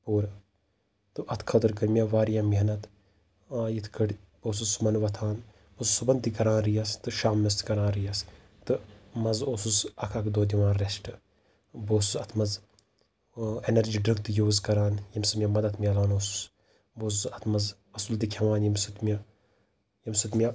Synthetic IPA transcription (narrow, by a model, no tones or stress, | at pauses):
puːɾɐ | t̪ɨʔɐt̪ʰkʰɐt̪ɨɾkɐɾmʲɐʋaːɾjaːmʲinɐt̪ | aːjit̪ʰkɐɽʲ | boːsusumɐnʋɐt̪ʰaːn | osusubɐnt̪ikɐɾaːnɾijast̪ɨʃaːmːɐst̪kɐɾãːnɾijɐs | t̪ɨmɐzoːsusɐkʰakd̪oːd̪ʲiʋãːnɾesʈɨ | boːsusɐt̪ʰmɐz | enɐɾd͡ʒiːɖɾɨŋɡ̚t̪ɨjoːzkɐɾaːnjɐmsɨmʲjɐmɐd̪ɐt̪ʰmʲalaːnoːsu̥s | boːsusɐt̪ʰmɐz | ɐsuld̪ikʰʲɐʋaːnjimsɨt̪mʲɐ | jɐmsɨt̪miɐ